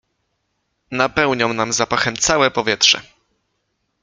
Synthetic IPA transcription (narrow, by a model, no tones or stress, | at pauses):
napɛwɲɔmnamzapaxɛmt̪sawɛpɔvʲjɛt̪ʂɛ̰